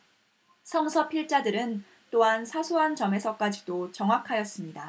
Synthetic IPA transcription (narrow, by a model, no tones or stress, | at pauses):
sʰʌŋsʰʌpʰiɭt͡ɕ͈adɯɾɯn | t͈oɦansʰasʰuɦant͡ɕʌme̞sʰʌk͈ad͡ʑidot͡ɕʌŋɦakʰajʌs͈ɯmɲida